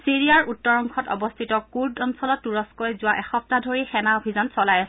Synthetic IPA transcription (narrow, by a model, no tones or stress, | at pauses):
siɹiaɹʔutːɔɹɔŋkʰɔtɔ̰bɔstʰitɔkuɹdɔnsɔlɔtːuɹɔskɔjzʊwaʔɛxɔp̚tadʱoɹixɛnaobʱizɔnsɔlaj